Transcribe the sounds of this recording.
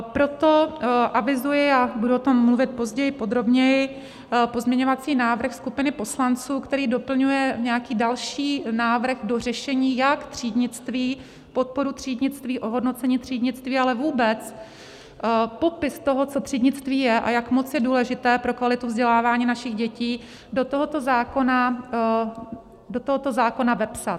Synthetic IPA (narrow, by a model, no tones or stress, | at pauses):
pɾo̞t̪o̞ʔavɪzujɪabuduot̪o̞mːluvɪt̪̚po̞zɟɛjɪpo̞d̪ɾo̞bɲɛjɪ | po̞zmɲɛɲo̞vat͡siːnaːvr̩xskupɪnɪpo̞slant͡suːkt̪ɛɾiːdo̞pl̩ɲujɛɲɛjakiːdalʃiːnaːvɾ̩ɣdo̞r̝ɛʃɛɲiːjakt̪r̝̥iːdɲɪt͡st̪viː | po̞t̪̚po̞ɾut̪r̝̥iːdɲɪt͡st̪viːʔo̞ɦo̞dno̞tt͡sɛɲiːt̪r̥iːdɲɪt͡st̪viːalɛvuːbɛt͡s | po̞pɪst̪o̞ɦo̞t͡so̞t̪r̥iːdɲɪt͡st̪viːjɛʔa̰jakmo̞t͡sjɛduːlɛʒɪt̪ɛːpɾo̞kvalɪt̪uvzɟɛlaːvaːɲiːnaʃɪɣɟɛciː | dot̪oɦo̞t̪o̞zaːkona | dot̪oɦot̪ozaːko̞navɛpsat̪